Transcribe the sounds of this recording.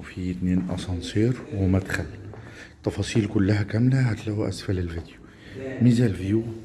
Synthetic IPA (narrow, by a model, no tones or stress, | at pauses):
fit̪neːnʔɑ̰sˤɑnsˤiːɾwɪmæd̪xælːt̪ːɑfɑːsˤiːlkʊlːæɦækæmlæhat̪læwʔæ̰sfælɪlvid̪ju | mizælvjuː